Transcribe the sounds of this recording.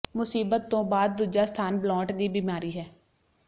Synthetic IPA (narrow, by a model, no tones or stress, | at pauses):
mʊsiːbət̪ːõːbaːd̪̚ːuːd͡ʒaːst̪ʰaːnblɔːʈd̪iːbiːmaːɾiːɦɛː